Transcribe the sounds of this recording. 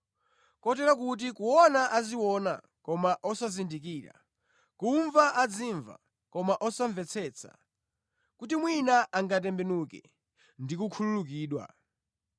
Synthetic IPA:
kɔt̬ɛɾakut̬ikuɔnaʔaziwɔna̰ | kɔmaʔɔsazindikiːɾa̰ | kuɱvaʔad͡ziɱva̰ | kɔmaʔɔsaɱvɛt͡sʰɛːt͡sʰa̰ | kutimwinaʔaŋɡat̬ɛmbɛnukɛ̰ | ndikukʰululuk̬iːɗwa̰

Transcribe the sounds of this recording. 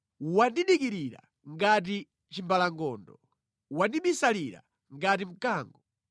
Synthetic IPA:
wandiɗikiɾiɾa̰ | ŋɡat̬i | t͡ʃimbalaŋɡɔːndɔ | wandiɓisaliɾa̰ | ŋɡatim̩kaːŋɡɔ

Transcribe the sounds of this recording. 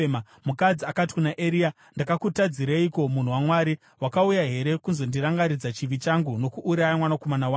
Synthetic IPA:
ma | mukad͡ziakati̥kunaʔeɾia | ndakakutad͡ziɾaiko̞mun̤uwamwaːɾi | wakaujaɦe̞ɾe̞kunzo̞ndiɾaŋɡaɾid͡zat͡ʃiʋit͡ʃaŋɡuno̞kuʔːɾajamwanako̞manawa

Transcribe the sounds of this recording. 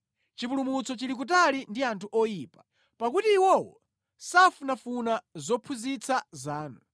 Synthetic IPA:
t͡ʃipulumut͡sɔt͡ʃilik̬ut̬alindiantʰuʔɔjiːpḁ | pakutiːwɔwɔ̰ | safunafunazɔpʰuzit͡sʰazaːnu

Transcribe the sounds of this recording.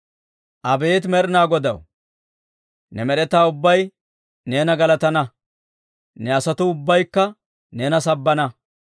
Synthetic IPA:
ʔɐbeːt̪mɛɾɪnaːɡɔd̪ɐ̰w | nɛmɛɾɛt̪aːʊbːɐj | ne̞ːnɐɡɐlɐt̪ɐnɐ | nɛɐsɐt̪ʊʊbːɐjkːɐ | ne̞ːnɐsɐbːɐnɐ

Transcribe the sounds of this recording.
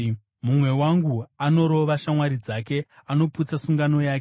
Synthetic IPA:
mumwe̞waŋɡuano̞ɾo̞ʋaʃamwaɾid͡zak̬e̞ano̞put͡sasuŋɡano̞jaːke

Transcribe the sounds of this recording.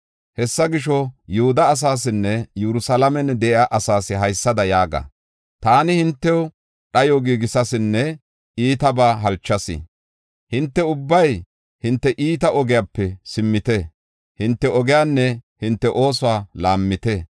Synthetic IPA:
hɛsːɐɡɪʃɔjʊhʊd̪ɐːs̬aːs̬ɪnːɛjɛɾʊsɐlɐmɛnd̪ɛʔɪaʔɐsaːsɪɦɐjsːɐd̪ɐjaːɡɐ̰ | t̪aːnɪhɪnt̪ːɛw | ɗɐjoɡiːɡɪsɐsɪnːɛ | iːt̪ɐbaːɦɐlt͡ʃːɐsɪ̰ | hɪnt̪ːɛʊbːɐj | hɪnt̪ːɛʔiːt̪ɐʔɔɡɪjapːɛsɪmːɪt̪ɛ | hɪnt̪ːɛɔɡɪjaːnːɛhɪnt̪ːɛʔo̞ːs̬ʊwaːlaːmːɪt̪ɛ

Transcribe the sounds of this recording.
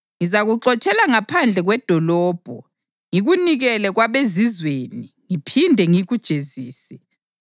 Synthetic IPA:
ŋizaɣuǁɔt͡ʃʼɛlaŋapʰand͡ɮʱɛɣwɛd̥ʱɔlɔːb̥ʱɔ | ŋiɣuniɣɛlɛɣwaβezizweːni | ŋipʰindʱɛŋiɣud̥ʒ̥ʱeziːsɛ̥

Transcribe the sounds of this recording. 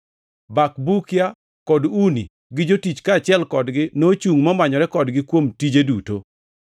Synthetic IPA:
bakbukja | kɔdunḭ | ɡɪd͡ʒotit͡ʃkat͡ʃɪɛlkɔdɡɪnot͡ʃuŋmɔmaɲɔɾɛkɔdɡɪkwomtid͡ʒeduto

